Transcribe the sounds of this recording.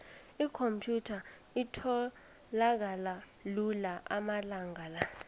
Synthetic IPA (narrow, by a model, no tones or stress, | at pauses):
ikʰompʰjutʰa | itʰɔ | lak̬ala | lulaʔamalaŋɡʱala